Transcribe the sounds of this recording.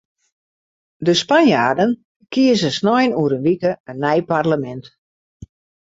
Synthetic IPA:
dəspanjaːdən | kiəzəsnɔjnuəɾənʋikəənːɛjparləmɛnt

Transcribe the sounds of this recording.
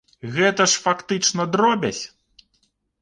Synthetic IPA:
ɣɛt̪ɐʂfakt̪ɨt͡ʂnɐd̪ɾɔbʲɐ̰sʲ

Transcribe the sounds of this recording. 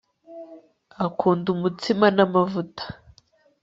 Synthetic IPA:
akʰuːndumutimanamavutḁ

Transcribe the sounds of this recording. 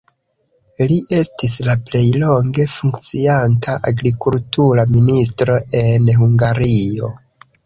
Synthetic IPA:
liʔe̞stislaple̞jlo̞ŋɡe̞fuŋkt͡siantʰaʔaɡɾikultuɾaminis̬tɾo̞ʔe̞nɦuŋɡaɾio̞

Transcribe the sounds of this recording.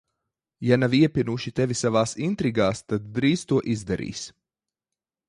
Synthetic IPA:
janaviɛpʲinuʃit̪ɛvisavaːsint̪ɾiɡaːst̪ad̪ːɾiːst̪uɔʔizd̪aɾḭːs

